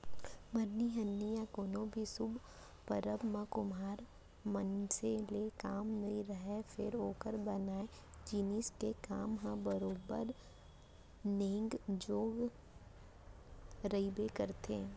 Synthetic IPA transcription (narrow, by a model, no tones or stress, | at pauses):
məɾniɦɐnːijãkoːnõbʱisʊbʱ | pəɾəbmãkʊmaːɾ | mənselekaːmnɐiɾɐɦefʰɪ̰ɾoːkəɾbənaːe | d͡ʒiːnisʈekaːmɦãbəɾoːbə̰ɾ | nẽːŋɡd͡ʒoːɡ | ɾəibekəɾt̪ʰeː